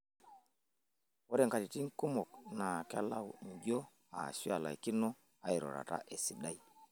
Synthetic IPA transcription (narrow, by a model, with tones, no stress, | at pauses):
ɔ˦ɾɛ˨ŋka˨ti˨ti˦ŋ̩˦ku˦mɔ˨k̚na˨ka˦la˦˨wŋ̩˨ɟɔ˦ | a̰˨si˦a˨la̰˨i˨ki˦nɔ˦ | a˦i˨ɾɔ̰˨ɾa̰˨ta̰˦ʔe˨si˨ɗa˦i˦